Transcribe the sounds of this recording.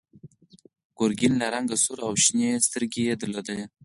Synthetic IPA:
ɡ̥oɾɡɪnlaɾaŋɡasuɾawʃnest̪əɾɡejed̪ʊlod̪aj

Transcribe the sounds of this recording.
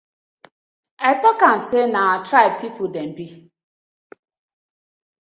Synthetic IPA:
ɛtɔkan̩senaatɾaɪpipʊdem̩bi

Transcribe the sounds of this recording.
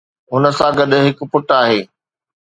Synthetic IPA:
ɦʊnəsãɡɐɗ̆ɦɪk̆pʊʈaːɦeː

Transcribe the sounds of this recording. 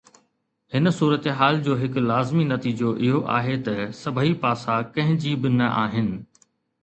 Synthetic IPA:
hɪnsuːɾət̪eɦaːld͡ʑoːɦɪklaːzminɐt̪iːd͡ʑoʔɪɦoʔa̰ːɦet̪ɐsɐbʱəipaːsakɐ̃ɦɪ̃d͡ʑibɪnɐʔa̰ːɦɪnɪ̆

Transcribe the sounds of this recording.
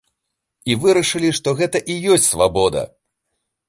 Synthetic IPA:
ivɨɾɐʂɨlʲiʂt̪ɔɣɛt̪ɐʔijɔsʲt͡sʲsvabɔd̪ɐ̰

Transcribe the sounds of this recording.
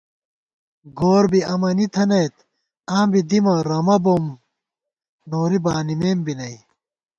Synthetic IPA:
ɡoːɾbiɐmɐnit̪ʰɐnejt̪ | aːmbid̪imɐɾɐmɐbom | noːɾibaːnimeːmbinɐj

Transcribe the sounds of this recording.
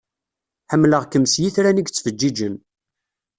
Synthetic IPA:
ħəmːləʁkəmsjiθɾæniɡt͡sːfəd͡ʒːid͡ʒən

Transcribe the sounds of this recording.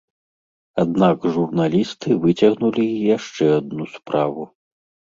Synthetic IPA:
ad̪nakʐurnalʲist̪ɨvɨt͡sʲɐɣnulʲijaʂt͡ʂɛad̪̚nuspɾavu

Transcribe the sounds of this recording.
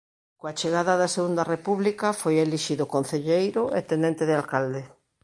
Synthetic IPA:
koat͡ʃeɣaðaðaseɣund̪arepuβlikafojeliʃiðokon̟θeʎejɾoʔet̪enẽnt̪eðɪalkald̪e

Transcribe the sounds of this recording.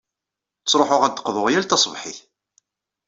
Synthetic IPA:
t͡sːɾˤoħʊʁæd̪ːə̥qːðˤoʁjælt̪ɑsˤvħiθ

